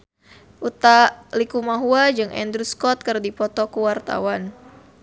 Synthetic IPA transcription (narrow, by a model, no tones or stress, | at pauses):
ʔut̪alikumaɦuad͡ʒɨŋɛ̰nd̪ɾuskɔt̪̚kɨrdipɔt̪ɔkuwart̪a̰wan